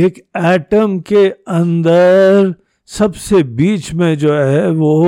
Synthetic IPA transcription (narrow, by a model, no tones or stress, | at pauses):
eːkɛːʈəmkeɐ̃nd̪əɾ | sɐbsebiːt͡ʃmẽd͡ʒoːɦɛʋo